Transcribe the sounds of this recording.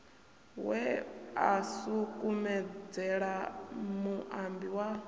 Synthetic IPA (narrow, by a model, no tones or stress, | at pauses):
wɛasukʼumɛd͡zɛɺamuʔambiwa